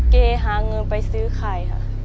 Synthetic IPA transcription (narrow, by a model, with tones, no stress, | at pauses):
keː˧˩ɦaː˨˧˦ŋɤ˧npa˧jsɯː˧˦kʰaː˨˩jkʰa̰˧˩